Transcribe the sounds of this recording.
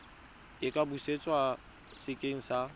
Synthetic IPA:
ɪkʼabuset͡sʼwa | sɪkʼeŋ̩sa

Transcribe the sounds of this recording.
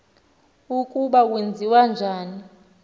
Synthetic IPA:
ukʼuɓak̬wend͡zʱiwand͡ʒʱaːni

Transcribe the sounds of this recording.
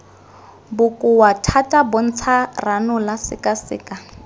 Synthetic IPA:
bʊkʼʊwatʰatʼabʊn̩t͡sʰaranʊlasɪkʼasɪ̰ːka

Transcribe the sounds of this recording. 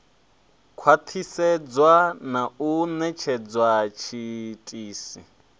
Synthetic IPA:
kʰwat̪ʰisɛd͡zwanaunɛt͡ʃʰɛd͡zwat͡ʃʰitʼiːsi

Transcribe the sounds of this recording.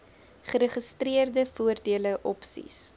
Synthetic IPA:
χəɾəχəstriərdəfuərdiələʔɔpsḭs

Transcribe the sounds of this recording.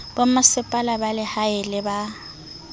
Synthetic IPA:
b̥amasɪpʼalabalɪhaɪlɪba

